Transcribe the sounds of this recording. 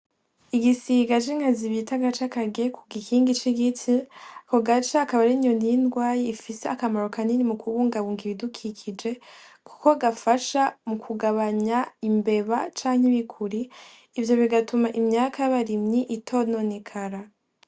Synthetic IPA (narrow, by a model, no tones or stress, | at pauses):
iɡisiɡat͡ʃiŋhaziβitaɡat͡ʃakaɡekʰuɡikʰiːŋɡit͡ʃiɡit͡siako̞ɡat͡ʃaːkaβaɾiɲoniindɡwaːjiifiseakamaɾokaninimukʰuwuːŋɡaβuːŋɡiβidukʰikʰid͡ʒe̞kʰu̥ko̞ɡafaʃamukʰuɡaβaɲaimbe̞βat͡ʃaːŋheβikʰuɾiː | vjo̞βiɡatumaʔimɲaːkʰajaβaɾimɲiʔitʰo̞nonekʰaɾa